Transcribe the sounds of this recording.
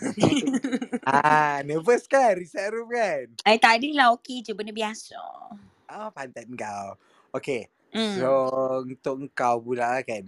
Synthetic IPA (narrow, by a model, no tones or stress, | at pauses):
anəvəskanɾisaɾuf̚kanajt̪aʔdəlaoked͡ʒəbənəbiasa̰ | ʔapant̪at̪̚ŋ̩kaw | oke | sount̪ʊk̚əŋ̩kawbulaʔlakan